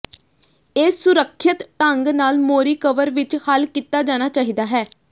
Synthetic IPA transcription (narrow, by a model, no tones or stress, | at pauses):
eːsʊɾəkʰːɪt̪ʈəŋɡnaːlmoːɾiːkəʋəɾʋɪt͡ʃhəlkiːt̪ːaːd͡ʒaːnaːt͡ʃaːɦiːd̪aːɦɛː